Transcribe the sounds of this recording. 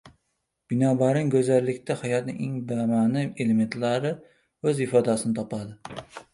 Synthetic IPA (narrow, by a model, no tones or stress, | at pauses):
b̥ɪnɒbaɾɪŋkɵzalːɪkʲt̪ahajɒt̪nɪ̰ŋeŋbamanɪeleme̞nt̪laɾɪ | ɵzɪfɒd̪asɪnɪt̪ʰɒpad̪ɪ